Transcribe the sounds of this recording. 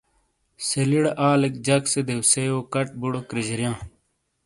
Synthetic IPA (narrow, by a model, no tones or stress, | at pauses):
seliɽʔaːlek̚d͡ʑɐksed̪ewseoːkɐʈ̚buɽokɾid͡ʑɐɾjãː